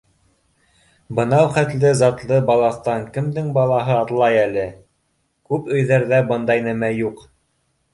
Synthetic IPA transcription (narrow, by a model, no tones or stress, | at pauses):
bɤ̆nɑwχæt̪lɘzɑt̪lˠɤbɑlˠɑθt̪ɑŋkɘ̆md̪ɘŋbɑlˠɑɦɤɑt̪lˠɑjælɘ | kʉpɵ̆jðæɾðæbɤnd̪ɑjnæmæjuq